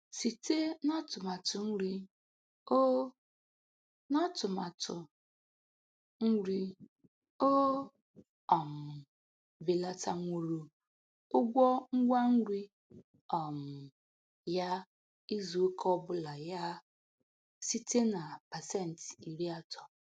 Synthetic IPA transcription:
si˨te˦nɔ˦tʊ˨ma˨tʊ˨n̩˦ɾi˦ | o˦ | nɔ˦tʊ˨ma˨tʊ˨ | ŋ̩˦ɾi˦ | o˦ | ɔ˨m̩˨ | vi˨la˦ta˦ŋʷu˨ɾu˦ | ʊ˦ɡʷɔ˦ŋ̩˦ɡʷa˦ŋ̩˦ɾi˦ | ɔ˨m̩˨ | ja˦ | i˦zu˨˦kʰɔ˦bʊ˦la˨ja˦ | si˦tʰe˦na˨pa˨sɛ˦˨n̩˨ti˨ɾi˦a˦tʰɔ̥˨

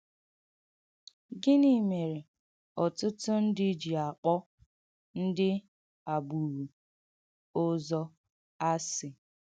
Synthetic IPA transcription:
ɡɪ˦ni˦me˨ɾe˨ | ɔ˨tʊ˦tʊ˦n̩˦dɪ˦d͡ʒi˨a˨k͡pɔ˦ | n̩˦dɪ˦ | a˨bu˨ɾu˨ | ʊ˦zɔ˦ | a˦sɪ˨

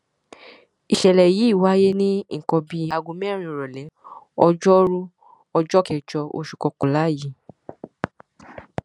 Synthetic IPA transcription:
i˨ʃɛ˨lɛ˨ji˨˦˨wa˦je˦nĩ˦ŋ̩˨kɔ̃˧bi˧a˧ɡũ˧mɛ˦ɾ̃ĩ˧˨ɾɔ˨lɛ˨˦ | ɔ˧d͡ʒɔ˦ɾu˦ | ɔ˧d͡ʒɔ˦kɛ˨d͡ʒɔ˧o̰˧ʃu̥˨kɔ˧ko˨la˨˦˨ji˨

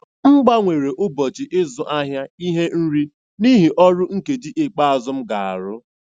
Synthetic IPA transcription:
ŋ͡m̩˦ɡ͡ba˦ŋʷe˨ɾe˨ʔʊ˦bɔ˨t͡ʃɪ˨ʔɪ˦zʊ˨ʔa˦ɦja˦i˦ɦe˦n̩˦ɾi˦ | ni˦ɦi˨ʔɔ˦ɾʊ˦ŋ̩˦ke˨di˦ʔɪ˦k͡pa˦a˨zʊ˦m̩˦ɡa̰˨a̰˨ɾʊ˦

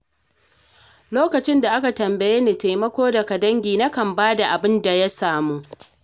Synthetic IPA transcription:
loː˦kɐ˨t͡ʃɪ˦nda˨ʔa˦ka˨tɐ˨mbɐ˨jeː˦neː˨ta˨jmɐ˦kʷoː˦dɐ˨ka˨dɐ˦ŋɡʲiː˨nɐ˦kɐ˨mbaː˦da˨ʔa˨bɪ˦nda˨ja˦saː˨muː˦

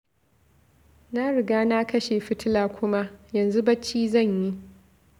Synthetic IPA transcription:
na˦ɽɪ˨ɡaː˦na˦kɐ˦ʃeː˨ɸɪ˦tɪ˦laː˨kʷʊ˦ma˦jɐ˨nzu˦bɐ˦t͡ʃːiː˦zɐ˦˨ɲji˦ʔ

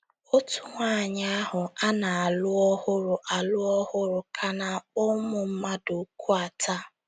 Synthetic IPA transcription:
o˦tu˦ŋʷa˦˨ɲa˦a˦ɦʊ˨a˦na˨a˨lʊ˦ɔ˦hʊ˦ɾʊ˨ʔa˨lʊ˦ɔ˦hʊ˦ɾʊ˨kʰa˨na˨ʊ˦mʊ˨m̩˦ma˦dʊ˨ku˦a˨tʰa˦

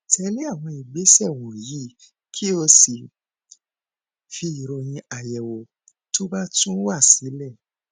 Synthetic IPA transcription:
tʰɛ˧le˦a˦˨w̃ɔ̃˧i˨ɡ͡be˨˦sɛ˦˨w̃ɔ̃˨ji˨˦ | kʰi˦o˧si˨ | fi˧i˨ɾo˨j̃ĩ˧a˨jɛ˨wo˨ | to˦ba˦tũ˦wa˦˨si˨˦lɛ˦˨

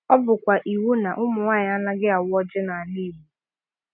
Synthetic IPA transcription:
ɔ˦bʊ˨kʷa˨ʔi˨wu˦na˨ʔʊ˦mʊ˨ŋaː˦˨ɲ˨a˦na˦ɡɪ˦a˨wɔ˦d͡ʒɪ˦na˨a˨li˦˨ɾu˨

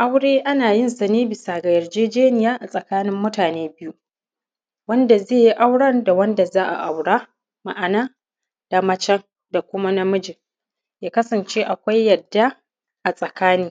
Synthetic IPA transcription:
ʔa˦wɽeː˦ʔa˦naː˨jɪ˦nsa˨neː˦bɪ˨saː˨ɡa˨jɐ˨rd͡ʒeː˦d͡ʒeː˦nɪ˨jaː˦ʔa˨sʼɐ˨kaː˦nɪ˦mːʊ˦taː˨neː˦bɪ˦ju˦ | wɐ˦nda˨zeː˦˨ji˦ʔa˦wɽɐ˦rda˨wɐ˦nda˨zaː˦ʔa̰˨ʔa˨wɽaː˦ | ma̰˨ʔa˨naː˦ | d̥a˨mɐ˦t͡ʃɛ˦ŋ | da˨kʷʊ˦ma˦na˦mʊ˦d͡ʒɪ˨ŋ | jaː˦kɐ˦sɐ˨nt͡ʃeː˦ʔa˨kʷa˦jːɐ˨dːa˦ | ʔa˨sʼɐ˨kaː˦niː˦

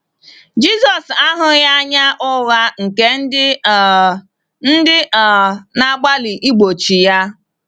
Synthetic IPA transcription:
d͡ʒi˦sɔ˨sa˦ɦʊ˦ja˦ɲa˦ʔʊ˦ɣa˦ŋ̩˨ke˦n̩˦dɪ˦ | n̩˦dɪ˦˨na˦ɡ͡ba˦li˨ʔi˦ɡ͡bo˨t͡ʃi˨ja˦

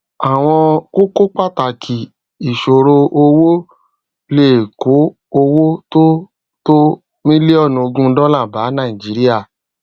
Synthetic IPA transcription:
a˨w̃ɔ̃˧ko˦ko˦k͡pa˦˨ta˨kʰi˨ | i˨ʃo˨ɾo˧o˧wo˦ | le˦˨ko˨˦ | o˧wo˦to˦ | to˦ | mĩ˦le˦ɔ˦˨nũ˨o˧ɡũ˦˧˦dɔ˦lã˦˨ba˨˦nã˦˨i˨d͡ʒi˨˦ɾi˦a˦˨

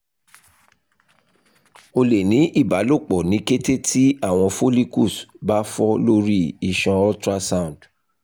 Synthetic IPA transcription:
o˧le˨nĩ˨˦ʔi˦˨ba˨˦lo˦˨k͡pɔ˨nĩ˨˦ke˦te˦tʰi˦a˦˨w̃ɔ̃˧fo˦li˦ku˦˨sba˦fɔ˦lo˦ɾi˦i˧˨ʃɔ̃˧ɔ˦tɾa˦sã˦˨ũ˨d

